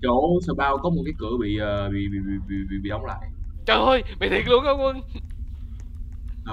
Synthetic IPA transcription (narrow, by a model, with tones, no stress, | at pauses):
t͡ɕo˧˩səː˧˩ɓaː˧wkɔ˨˦m˨˩t̚kaː˨˦jkɨ˧˩əɓḭ˧˨əː˨˩ɓḭ˧˨ɓḭ˧˨ḭ˧˨ɓḭ˧˨ɓḭ˧˨ɓḭ˧˨ʔə˨˦wŋ͡mla̰ː˧˨jt͡ɕə˧˩o˧jɓḭ˧˨t̪ʰi˨˩k̚lu˨˦əŋkə˧˦wŋ͡mwə˧ŋ˧